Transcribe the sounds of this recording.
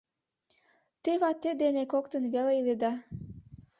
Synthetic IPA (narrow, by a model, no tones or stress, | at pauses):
t̪eβɑt̪ːed̪enekokt̪ənβeleiled̪ɑ